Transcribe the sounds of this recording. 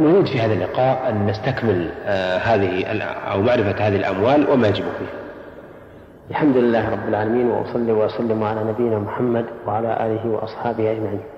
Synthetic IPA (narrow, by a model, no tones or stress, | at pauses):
nʊɾiːd̪fihaːðalːɪqɑːʔʔanːast̪akmɪlhaːðɪhla̰wmaʕɾɪfahaːðɪhɪlʔa̰mwaːlwʔɪmajad͡ʒɪbʊfiːh | ʔalħamd̪ʊlɪlːaːhɾˤɑbːɪlʕaːlamiːnwa̰ʔʊ̰sˤɑlːiwaʔʊsalːɪmʕalaːnabɪjːɪnaːmʊħamːad̪waʕalaʔa̰ːlɪɦɪwɑ̰ʔɑsˤħɑːbɪhʔad͡ʒmaʕiːn